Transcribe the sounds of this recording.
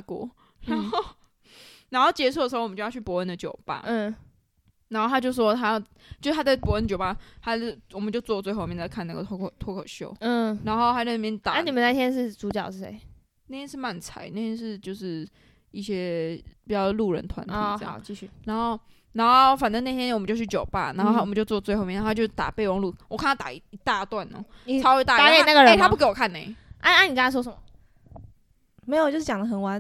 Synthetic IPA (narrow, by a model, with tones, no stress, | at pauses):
kwɔ̰˨˥˦ | na˧˥˦nxo˥˧ʊ | na˧˥nxo˥˩ʊt͡ɕjɛ˧˥ʂʰdə˨˩ʂ̩˧˥˩t͡ɕjjt͡ɕʰy˥˩pwɔ˧˥ə˥nd̪ə˨t͡ɕjo˨˩ʊba̰˧˦˥ | na˨˧˥nxo˥˩ʊtʰa˥t͡ɕjo˥˧ʊʂʂwɔ˥t̪ʰa˥jɑ˥˧ʊ | t͡ɕjo˥˧ʊ˥t̪a˥t͡sa˥˩ɪpwɔ˧˥ə˥˩ndət͡ɕjo˨ʊa˧˥t̪a˥˩wɔ˨˩mə˨˦nt͡ɕjo˥˧t͡swɔ˥˧˦t͡swe˥˧xo˥˧˨ɛ˥˧˩t͡sa˥˧˩kʰa˥˧na˥˩ɡə˨t̪ʰkʰt̪ʰwɔ˥kʰə˨˩ɕjo˧˥ʊ˥˩na˧˥nxo˥˧ʊta˥˩˥mjɛ˥˧nt̪a˨a˥ni˨˩mə˨˦nt͡sa˥˩t̪jɛ˥nʂ̬ɻ̩˥˩t͡su˧˥t͡ɕjɑ̰˨˩ʊʂɻ̩˥˩ḛ˧˥ɪ | na˥˩t̪ʰjɛ˥ʂɻ̩˥˧ma˥˩nt͡sʰa̰˨˩ɪna˥˩t̪ʰjɛ˥nʂɻ̩˥˧t͡ɕjo˥˧ʊʂɻ̩˥˩ | i˥˩ɕjɛ˥pi˨˩t͡ɕɑ˥˧ʊlu˥˩ɻə̰˧˦nt̪ʰwa̰˧˦nt̪ʰi˧˩˨ə̰˥˧jɑ̰˥˧˩i˥˧ɕy˥˩na˧˥nxo˥˩ʊ | na˧˥nxo˥˩ʊfa˨˩nt̪ə˦na˥˧t̪ʰjɛ˥nwmə˦t͡ɕjo˥˧t͡ɕʰy˥˩t͡ɕjo˨˩ʊpa̰˥˩na˧˦nxo˥˧˥wɔ˨˩ə˦t͡ɕo˥˧ʊt͡swɔ˥˧t͡swe˥˧xo˥˧˨i˧˥˨n˧˥˧t͡ɕjo˥˧˩t̪a̰˨˩pe˥˧ɪwɑ˥˧ŋlu˥˩wɔ˨˩kʰa˥˨nʰa˥t̪a̰˨˩˧i˧t̪a˥˧t̪wa˥˨˩nɔ̰˨˦sʰɑ˥˧˥t̪a˥˨a˨ke˨˩˥na˥˩ɡə˨ɻə˥t̪ʰa˥pu˥˩ke˧˥ɪwɔ˨˩kʰa˥˩ne˧˦ɪʔa˥a˥ni˨˩ka˥a˥˩wɔ˥ʂə˨˩mɐ˨˩ | me˧˥ɪjt͡ɕjo˥ʊʂɻ̩˥˩jɑ˨˩ŋd̪ə˧˩xə˨˦nwa˧˦n